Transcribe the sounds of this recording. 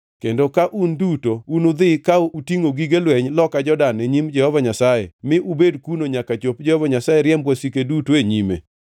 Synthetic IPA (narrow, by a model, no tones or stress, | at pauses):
kendokaʔundutounʊd̪ɪkautiŋoɡiɡelwɛɲlɔkad͡ʒɔdanːeɲimd͡ʒɛhɔvaɲasajḛmɪʔubedkunoɲakat͡ʃop̚d͡ʒɛhɔvaɲasajeɾjɛmbwasikedutoeɲimḛ